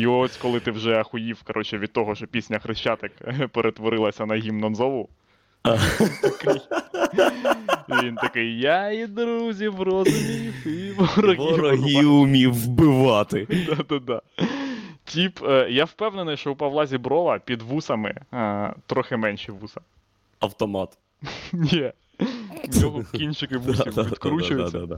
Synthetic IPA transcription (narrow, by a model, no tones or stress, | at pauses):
iɔsʲkɔlˠɪt̪ɪwʒɛɐxʊjiwkɐɾʔɔt͡ʃɛʋʲid̪t̪ːɔɦɔʃt͡ʃɔpʲisʲnʲɐxɾɪʃt͡ʃat̪ɪkpeɾʔet̪ʋɔɾɪlˠɐsʲɐnɐɦʲimnɐnzɔʋʊ | t̪ɐkɪj | ʋʲint̪ɐkɪjjaid̪ɾuzʲiʋɾɔzʊmʲiixɪʋɔɾɔɦiɔɦiʊmʲiwbɪʋɑt̪ɪd̪ad̪ad̪ɑ | tʲipjawpɛwnenɪjʃt͡ʃɔupɐwlˠɑzʲibɾɔʋɐpʲid̪ʋusɐmɪ̰t̪ɾɔxɛmɛnʲʃɛʋusɐ | ɐwt̪ɔmɑt̪ | nʲi | nʲɔɦɔkʲinʲt͡ʃɪkɪʋusɪid̪kɾut͡ʃʊjʊɐ